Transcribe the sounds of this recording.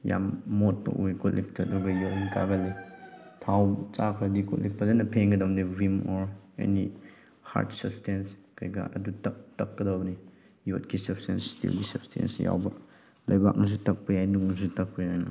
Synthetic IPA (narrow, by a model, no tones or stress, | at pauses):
ja̰mːot̚pɐ̰ʔujkut̚lip̚tʰɐːdɔɡɐjɔt̚inkʰaɡɐlitʰawt͡ʃakʰɐɾdikɔt̚lip̚pːɐzanɐpʰeŋɡɐdamdevimɔɾḛni | ha̰ɾtsɐp̚stʰenskɐjɡɐ̰ʔɐ̰dutɐk̚tɐkːɐdawbni | jot̚kʰisɐpstenstḭlɡisɐp̚stʰḛnsja̰wbɐ | lɐjbak̚nɐs̬utɐk̚pɐjajnuknɐs̬utɐk̚pɐjajn